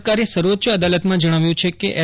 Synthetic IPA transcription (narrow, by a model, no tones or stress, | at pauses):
kaɾesəɾʋət̪ːʃəəd̪alət̪mãd͡ʒəɽ̃aʋjũt͡ʃʰekeʔɛ